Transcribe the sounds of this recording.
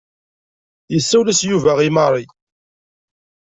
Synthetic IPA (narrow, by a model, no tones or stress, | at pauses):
jəsːæwlæsjuvæʁimɑɾˤi